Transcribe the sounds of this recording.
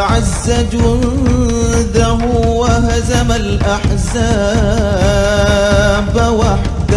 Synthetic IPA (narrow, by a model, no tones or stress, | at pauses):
ʕazːad͡ʒʊn | d̪aɦʊwaɦazamalʔaħzaː | bwaħ | d̪a